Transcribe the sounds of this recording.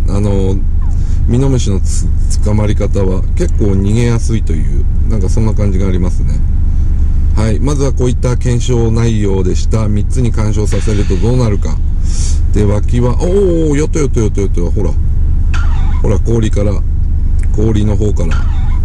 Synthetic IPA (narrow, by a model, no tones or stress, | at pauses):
ano̞ | mʲino̞mɯ̟ɕino̞ | t͡sɨ̥kamaɾʲikat̪aβa | ke̞kːo̞ːɲ̟iɡẽ̞jasɨit̪o̞jɯ̟̰ː | nãŋkasõ̞nːakãɲ̟d͡ʑiɡaːɾʲimasɨne̞̰ | haimazɨβako̞ːit̪ːakẽ̞ɰ̃ɕo̞ːnaiːo̞ːd̪e̞ɕi̥t̪amʲit͡sɨɲ̟ikãɰ̃ɕo̞ːsase̞ɾɯ̟t̪o̞d̪o̞ːnaɾɯ̟ka̰ | d̪̥e̞βakʲiβaʔoː | jo̞t̪ːo̞jo̞t̪ːojo̞t̪ːojo̞t̪ːoβaho̞ɾa̰ | ho̞ɾako̞ːɾʲikaɾa | ko̞ːɾʲino̞ɦo̞ːkaɾa̰